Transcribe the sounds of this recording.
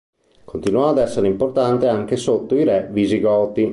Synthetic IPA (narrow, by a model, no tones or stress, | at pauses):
kont̪inwɔad̪ɛsːeɾeimport̪ant̪eaŋk̟esot̪ːoiɾɛviziɡɔːt̪i